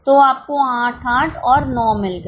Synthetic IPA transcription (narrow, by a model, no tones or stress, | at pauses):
t̪oaːp̚koãːʈʰãːʈʰɔːɾnɔːmɪlk